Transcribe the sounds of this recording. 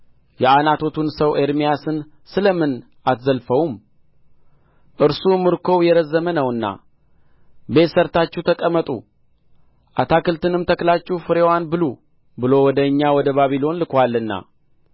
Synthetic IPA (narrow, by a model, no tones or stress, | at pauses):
jɛanat̪ʰo̞t̪ʰunsəwʔe̞ɾmijasɨn | sɨləmɨn | at̪zəlfəwum | ʔɨɾsumɨɾkʰo̞jɛɾəzːəmənəwɨnːa̰ | be̞t̪səɾt̪at͡ʃːut̪ʰəkʼəmːət̪ʼṵ | ʔat̪ʰakɨlt̪ɨnɨmt̪ʰəklat͡ʃːuhfɨɾewanbɨlu | bɨlo̞wɔd̪əɨɲːawɔd̪əβaβilo̞nlɨkʷalːɨnːa̰